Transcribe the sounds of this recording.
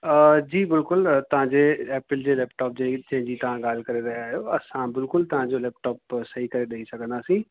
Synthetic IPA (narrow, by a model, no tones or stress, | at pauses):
əd͡ʒiːbɪlkʊlt̪əɦãːd͡ʒeːɛːpɾɪld͡ʒeːlɛːpʈɔːp̚d͡ʒet͡ʃẽːd͡ʒiːt̪ãːɡəlkəɾeːɾəɦaːɦeoːəsãːbɪlkʊlt̪əɦãːd͡ʒoːlɛːp̚ʈɔːpsəɦiːkəɾeːɖəiːsəknd̪aːsĩː